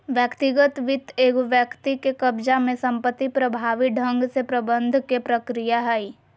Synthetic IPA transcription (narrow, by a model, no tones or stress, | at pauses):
ʋjəkt̪ɪɡət̪ʋɪt̪eːɡʋjəkt̪ikekəbd͡ʒamẽsɐ̃mpət̪ːipɾəbʱaːʋiɖʱə̃ŋɡsepɾɐbə̃nd̪ʱkepɾəkɾijaɦɛi